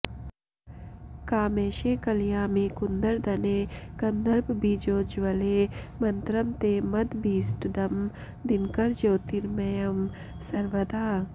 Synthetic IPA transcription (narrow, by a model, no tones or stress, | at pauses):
kaːmeːʃeːkɐljaːmiːkund̪ɐɾd̪ɐneːkɐnd̪ɐɾbbiːd͡ʒoːd͡ʒʋɐleːmɐnt̪ɾɐmt̪eːmɐd̪biːsʈd̪ɐm | d̪inkɐɾd͡ʒoːt̪iɾmɐjɐm | sɐɾʋɐd̪aː